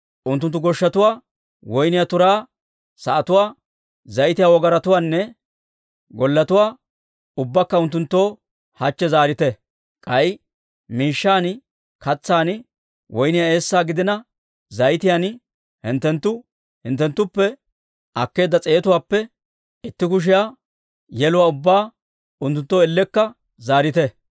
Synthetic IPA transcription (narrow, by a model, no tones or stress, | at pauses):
ʔʊnt̪ːʊnt̪ːʊɡɔʃːɐt̪ʊwaː | wɔjnɪjat̪ʊɾaː | sɐʔɐt̪ʊwaː | zɐjt̪ɪjaːwɔɡɐɾɐt̪ʊwaːnːɛ | ɡɔlːɐt̪ʊwaː | ʊbːɐkːɐʊnt̪ːʊnt̪ːo̞ː | hɐt͡ʃːɛzaːɾɪt̪ɛ | kʼɐj | miːʃːaːn | kɐt͡sːaːn | wʔɔjnɪjae̞ːsːaːɡɪd̪ɪnɐ | zɐjt̪ɪjan | hɪnt̪ːɛnt̪ːʊ | hɪnt̪ːɛnt̪ːʊpːɛ | ʔɐkːe̞ːd̪ːɐt͡sʼe̞ːt̪ʊwaːpːɛ | ɪt̪ːɪkʊʃ̬ɪjaː | jɛlʊwaːʊbːaː | ʊnt̪ːʊnt̪ːo̞ːɪlːɛkːɐ | zaːɾɪt̪ɛ